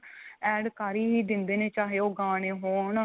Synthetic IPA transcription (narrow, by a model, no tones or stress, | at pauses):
ɛːɖkaːɾiːɦiːd̪ɪnd̪eːnẽːt͡ʃaːɦeːoːɡaːneːɦoːɳ